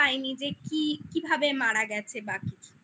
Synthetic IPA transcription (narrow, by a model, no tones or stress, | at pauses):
ajnid͡ʑekikibʱabemaɽaɡɛt͡ɕʰebakit͡ɕʰu̥